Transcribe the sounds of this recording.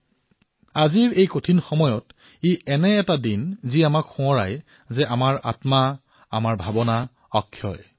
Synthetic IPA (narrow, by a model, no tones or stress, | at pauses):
aziɹejkotʰinxɔmɔjɔt | iɛnɛːtadinziamakxũɔɹaj | zɛʔamaɹa̰tma | amaɹbʱabɔna | ɔkʰːjɔ̰j